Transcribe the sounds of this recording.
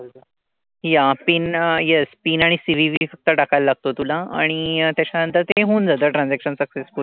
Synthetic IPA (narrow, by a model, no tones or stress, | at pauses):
japiːnjespiːnaɽ̃isiʋiʋiːfək̚t̪əɖakajllaɡ̚t̪ot̪ulaa̰ɽ̃it̪jat͡ɕanənt̪əɾt̪eɦũːnd͡zad̪əʈɾãnd͡zækɕənsəksesfuɾ